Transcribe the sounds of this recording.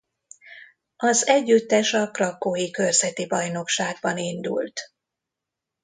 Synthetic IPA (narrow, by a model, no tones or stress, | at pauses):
ɒzɛɟːyt̪ːɛʃɒkrɒkːojikø̞rzɛt̪ibɒjno̞kʃaːɡ̚bɒnind̪ṵlt̪